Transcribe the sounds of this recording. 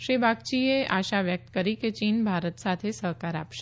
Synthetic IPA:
ʃebakt͡ʃieaʃaʋjək̚t̪kəɾiket͡ʃinbʱaɾət̪sat̪ʰesəɦkaɾa̰pʃe

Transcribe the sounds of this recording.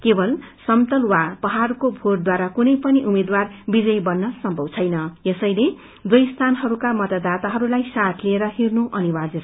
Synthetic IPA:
kebʌlsʌmt̪ʌlwapʌɦarkobʱoʈ̚d̪waɾakunʌjpʌniʔumed̪warbid͡zʌjbʌnːʌsʌmbʱʌwt͡sʰʌjnʌjʌsʌjle | d͡zʌjst̪ʰanɦʌɾukamʌt̪ʌd̪at̪aɦʌɾulajsat̪ʰlieɾʌɦirnuʔʌnibad͡zʌɾ

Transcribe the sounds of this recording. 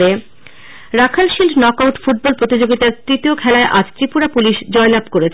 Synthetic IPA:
e | ɾakʰalʃilnɔkawʈfuʈ̚bɔlpɾot̪id͡ʑoɡit̪aɾt̪ɾit̪iokʰɛlaeʔad͡ʑt̪ɾipuɾapuliʃd͡ʑɔelabkoɾet͡ɕʰ

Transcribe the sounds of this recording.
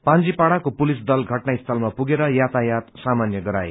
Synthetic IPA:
pand͡zipaɽakopulisd̪ʌlɡʱʌʈnaist̪ʰʌlmapuɡeɾʌjat̪ajat̪samanjʌɡʌɾa̰e

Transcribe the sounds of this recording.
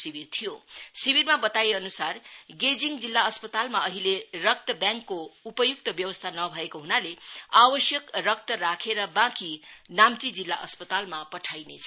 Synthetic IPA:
sibirt̪ʰijosibirmabʌt̪ajeʌnusarɡed͡ziŋd͡zilːaʌspʌt̪almaʌɦilerʌk̚t̪ʌbjãŋkːoupʌjuk̚t̪ʌbjʌwʌst̪ʰanʌbʱʌekoɦunaleabʌsjʌkrʌk̚t̪ʌɾakʰeɾʌbãkinamt͡sid͡zilːaʔʌ̰spʌt̪almapʌʈʰajnet͡sʰʌ

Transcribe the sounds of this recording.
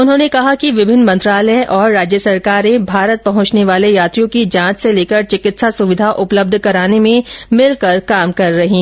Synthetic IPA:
ʊnɦõːnekɐɦakiʋɪbʱɪ̃nːmɐ̃nt̪ɾaːləʔɔːɾːaːd͡ʒjəsɐɾkaːɾẽbʱaːɾət̪̚pɐɦʊ̃ɲt͡ʃneʋaːlejaːt̪ɾijõkid͡ʒãːt͡ʃseleːkəɾt͡ʃɪkɪt̪sasʊʋɪd̪ʱaʔʊpləb̚d̪ʱkɐɾaːnemẽmɪlkɐɾkaːmkɐɾːɐɦĩ

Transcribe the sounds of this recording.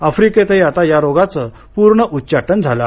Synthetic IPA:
əfɾiket̪əjat̪ajaɾoɡat͡sə | puɾɳəʔutːt͡ɕaʈənd͡zʱala

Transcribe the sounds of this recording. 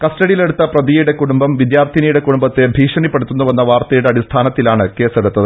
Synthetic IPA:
kɐstɐɽijile̞ɽut̪ːɐprɐðijuɽe̞kuɽumbɐmʋid̪jaːrt̪ʰinɐjuɽe̞kuɽumbɐt̪ːe̞bʱiːʂɐnipːeɽut̪ːunːuʋɐnːɐʋaːrt̪ɐjuɽeɐɽist̪ʰaːnɐt̪ːilaːɳɨke̞ːseɽut̪ːɐðɨ

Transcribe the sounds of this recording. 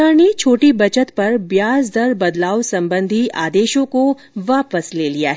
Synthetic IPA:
aːnet͡ʃʰoːʈibɐt͡ʃət̪pɐɾbjaːzd̪ɐɾbɐd̪laːʋsɐ̃mbə̃nd̪ʱiʔa̰ːd̪eːʃõko | ʋaːpəsleːlija̰ːɦ

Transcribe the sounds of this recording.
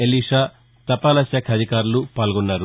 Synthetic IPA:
eliːʂaː | t̪ɐpaːlɐsjaːkʰɐd̪ʱikaːɾulupaːlɡɔnːaːɾu

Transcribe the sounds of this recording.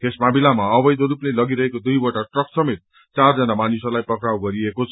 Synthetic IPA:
t̪esmamilamaʌbʌjd̪oɾuplelʌɡiɾʌɦekod̪ujbʌʈaʈrʌksʌmet̪̚ | t͡sard͡zʌnamanisʌlajpʌkrawɡʌɾiekot͡sʰʌ

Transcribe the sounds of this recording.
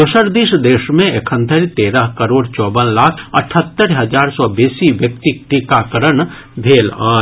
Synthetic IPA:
d̪ʊʃəɾd̪iʃd̪eːʃmẽɪkʰə̃nt̪ʰəɾt̪eːɾəɦkəɾoːɽt͡ʃɔːbənlaːkʰɐ̰ʈʰət̪ːəɾɦɐd͡ʒaːɾsɔbeːsiʋjək̚t̪ik̚ʈikakəɾəɳ | bʱeːlaː

